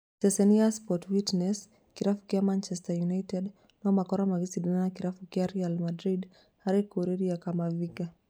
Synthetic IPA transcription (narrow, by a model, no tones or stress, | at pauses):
sɛsɛniaspɔtwitnɛs | kiɾafu̥kiamant͡ʃɛstajunajtɛd | nɔmakɔɾamaɣisidinanakiɾafukiaɾialmadɾid | haɾikuɾiɾiakamaviɡa